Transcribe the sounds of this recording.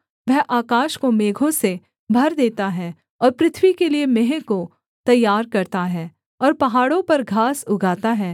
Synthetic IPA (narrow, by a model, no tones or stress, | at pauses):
ʋɛɦʔaːkaːʃkomeːɡʱõse | bʱɐɾd̪eːt̪aɦɛː | ɔːɾpɾɪt̪ʰwikeliemeɦɛ̃ko | t̪ɐjːaːɾkɐɾt̪aɦɛː | ɔːɾpɐɦaːɽõpɐɾɡʱaːsʊɡʱaːt̪aɦɛː